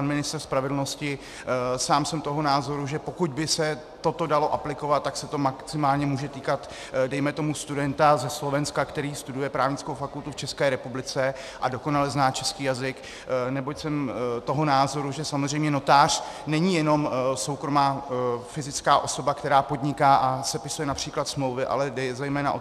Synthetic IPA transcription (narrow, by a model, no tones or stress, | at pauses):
panmɪnɪst̪rspɾavɛdl̩no̞scɪ | saːmsɛmt̪o̞ɦo̞naːzo̞ɾuʒɛpo̞kuɟ̪bɪsɛ | t̪o̞t̪o̞dalo̞ʔaplɪko̞vat̪̚ːaksɛt̪o̞maksɪmaːlɲɛmuːʒɛt̪iːkat̪ | dɛjmɛt̪o̞must̪udɛnt̪azɛslo̞vɛnskakt̪ɛɾiːst̪udujɛpɾaːvɲɪt͡skowfakult̪uft͡ʃɛskɛːɾɛpublɪt͡sɛ | ʔado̞ko̞nalɛznaːt͡ʃɛskiːjazɪk | nɛbo̞jsɛmt̪oɦonaːzo̞ɾuʒɛsamozr̝ɛjmɲɛno̞t̪aːr̝̥ | nɛɲɪjɛno̞mso̞wkɾo̞maːfɪzɪt͡skaːʔo̞so̞bakt̪ɛɾaːpo̞dɲɪkaːʔasɛpɪsujɛnapr̥iːklat̪smlo̞wvɪʔa̰lɛdɛzɛjmɛːna̰ʔo